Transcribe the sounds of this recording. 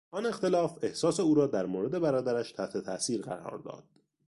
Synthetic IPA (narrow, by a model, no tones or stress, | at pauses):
ʔɒne̞xt̪e̞lɒːfe̞hsɒːse̞uːɾɒːd̪æɾmoːɾe̞d̪e̞bæɾɒːd̪æɾæʃt̪ʰæht̪ʰe̞t̪ʰæsiːɾɢæ̰ɾɒ̰ːɾd̪ɒ̰ːd̪̥